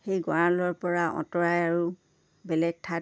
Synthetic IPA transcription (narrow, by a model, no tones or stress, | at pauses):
xejɡɔɹãlɔɹpɔɹaʔɔ̰̃tɔɹajaɹu | bɛlɛɡ̚tʰa